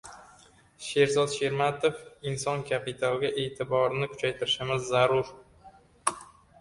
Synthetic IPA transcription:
ʃe̞ɾzɒd̪ʃe̞ɾmat̪ofɪnsɒnkʲʰapʰɪt̪ʰalˠɡʲaʔe̞ːt̪ʰɪbɒɾnɪkʰʊ̥t͡ʃʰajt̪ʰɪɾɪʃɪmɪzːaɾʊɾ

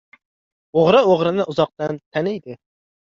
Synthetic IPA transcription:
oʁɾɨoʁɾɨnɨʔuzɑq̚t̪ɨnt̪ʰɛnɪd̪ɪ

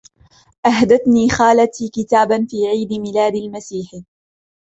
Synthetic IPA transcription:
ʔaɦd̪aθniːxaːlat̪iːkɪt̪aːbanfiːʕiːd̪ɪmɪlaːd̪ɪlmasiːħ

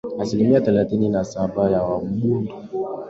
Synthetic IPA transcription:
asilimiaθɛlaθininasaɓajawam̩ɓundɔ

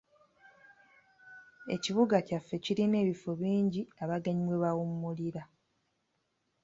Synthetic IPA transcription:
e̞̰ciβuɡacafːe̞ciɾine̞ːβifoβiːɲɟiaβaɡaɲiβweβawumːuliɾa

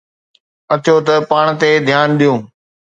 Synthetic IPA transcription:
ɐt̪ʰɪjot̪ɐpaːɽ̃t̪ed̪ʱjaːnɗijũː

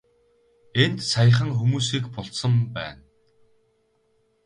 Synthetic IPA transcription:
ent̪sajə̆χə̆ŋxumuːsiːkpɔɮsə̆mpæ̰ːn

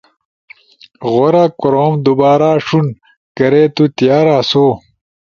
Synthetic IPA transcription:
ʁoɾakoɾoːmd̪ubaːɾaːʂun | kɐɾet̪ut̪jaːɾaːso

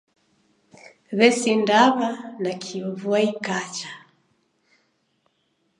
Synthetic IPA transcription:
βɛsindaβanakʰiɔβuaikat͡ʃḁ

